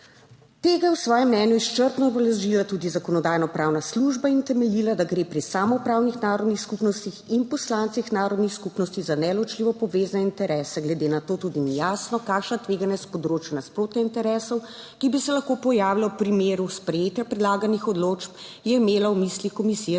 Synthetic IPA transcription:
t̪eːɡajɛwsʋɔːjɛmnɛnjuist͡ʃəɾt̪nɔbɛlɛʒilat̪uːd̪izakɔnɔd̪aːjnɔpɾaːwnasluʒbaint̪ɛmɛliːlad̪aɡɾepɾisaːmɔpɾaːwnixnaːɾɔd̪nixskupnɔst̪ixinpɔslaːnt̪sixnaːɾɔd̪nixskupnɔst̪izanɛlɔt͡ʃliʋɔpɔʋeːznɛint̪ɛɾɛːsɛɡlɛd̪eːnat̪oːt̪ud̪inijaːsnɔkakʃnat̪ʋeːɡanjɛspɔd̪ɾoːt͡ʃjunaspɾoːt̪naint̪ɛɾɛsɔw | kibisɛlaxkopɔjaːwilawpɾimeːɾuspɾɛjeːt̪japɾɛd̪laːɡanixɔd̪loːt͡ʃpjɛimeːlawmislixkɔmisijɛ

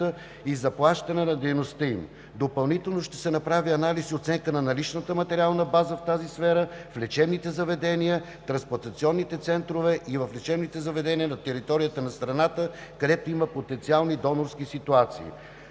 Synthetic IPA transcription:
ə | izɐplˠaʃt̪ɐnɛnɐd̪ɛjnost̪əim | d̪opɐlˠnit̪ɛlˠnoʃt̪ɛ̥sɛnɐpɾaviɐnalisiot̪sɛŋkənɐnɐlit͡ʃnət̪əmɐt̪ɛɾialˠnəbazəft̪azisfɛɾəflɛt͡ʃɛbnit̪ɛzɐvɛd̪ɛnijə | t̪ɾɐnspoɐɾt̪ɐt̪siɔnːit̪ɛt̪sɛnt̪ɾovɛʔivəflɛt͡ʃɛbnit̪ɛzɐvɛd̪ɛniənɐt̪ɛɾit̪ɔɾijət̪ənɐst̪ɾɐnat̪əkɐd̪ɛt̪oiməpot̪ɛnt̪sialˠnid̪ɔnoɾskisit̪uat̪sḭː

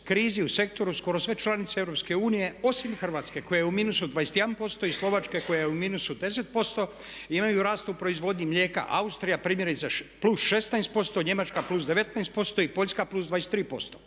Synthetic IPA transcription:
kɾiːziuse̞k̚t̪o̞ɾusko̞ɾosʋe̞t͡ʃlˠanit̪seevɾopske̞uːnije̞o̞simxr̩ʋaːt̪ske̞ko̞jajumiːnusud̪ʋajest̪jed̪anpo̞st̪o̞islˠo̞ʋat͡ʃke̞ko̞jajeuminusud̪e̞se̞t̪̚po̞st̪o̞ | imajuɾaːst̪upɾo̞izʋo̞d̪ɲimʎʲje̞ːka̰ʔa̰ust̪ɾijapɾiːmjeɾit̪seplusʃe̞st̪najst̪̚po̞st̪oɲe̞mat͡ʃkaplusd̪e̞ʋe̞t̪najst̪̚po̞st̪o̞ipo̞ʎʲskaplˠuːsd̪ʋajest̪ɾiːpo̞̰st̪o

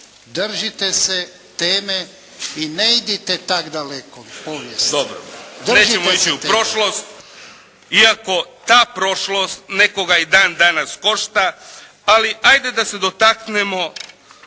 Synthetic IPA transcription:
d̪r̩ʒit̪ese | t̪eːme | ineid̪it̪et̪akd̪alekopoʋjesd̪obɾo̰d̪ne̞ːt͡ʃemoit͡ʃiupɾo̞ʃlo̞st̪ | iako̞t̪aːpɾo̞ʃlo̞st̪ne̞ko̞ɡaid̪aːnd̪anasko̞ʃt̪a | aliʔajd̪e̞d̪ase̞d̪o̞t̪aknemo̞

